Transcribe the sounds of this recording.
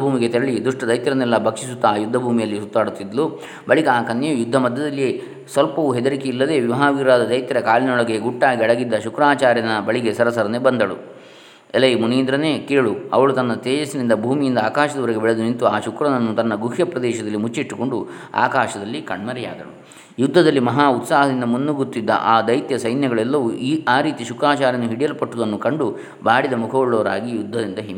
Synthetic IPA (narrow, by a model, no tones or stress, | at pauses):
bʱuːmiɡe̞t̪ɛɾɐɭid̪uʂʈɐd̪ɐjt̪jɐɾɐnɛlːɐbʱɐkʂis̬ut̪ːɐːjud̪ʱːɐbʱuːmijɐlːisut̪ːaːɽut̪ːid̪lu | bɐɭikaaːkɐnjɐjujud̪ʱːɐmɐd̪ːɐd̪ɐlːie | sʋɐlpɐʋuɦɛd̪ɐɾikeilːɐd̪e̞ːʋiʋɐɦaːʋiːɾaːd̪ɐd̪ɐjt̪jɐɾɐkaːlinɔɭɐɡeɡuʈːaːɡiɐɭɐɡid̪ːɐʃukɾaːt͡ʃaːɾjɐnɐbɐɭiɡesɐɾɐsɐɾɐneːbɐnd̪ɐɽṵ | ɛlɐjmuniːnd̪ɾɐneːkeːɭuɐ̰ʋɐɭut̪ɐnːɐt̪ɛːd͡ʒɐsinind̪ɐbʱuːmijind̪ɐaːkaːʃɐd̪ɐʋɐɾɛɡebɛɭed̪unint̪uaːʃukɾɐnɐnːut̪ɐnːɐɡuɦjɐpɾɐd̪ɛːʃɐd̪ɐlːimut͡ʃːiʈːu̥ko̞ɳɖu | a̰ːkaːʃɐd̪ɐlːikɐɳmɐɾɛja̰ːd̪ɐɭu | jud̪ʱːɐd̪ɐlːimɐɦaːut̪saːɦɐd̪ind̪ɐmunːuɡuɾt̪ːid̪ːɐ̰ʔaːd̪ɐjt̪jɐsɐjnjɐɡɐɭɛlːɐʋuiaːɾiːt̪iʃukɾaːt͡ʃaːɾjɐnːuɦiɽijɐlɐpɐʈːud̪ɐnːukɐɳɖu | baːɽid̪ɐmukʰɐːɭːoːɾaːɡijud̪ʱːɐd̪ind̪ɐɦim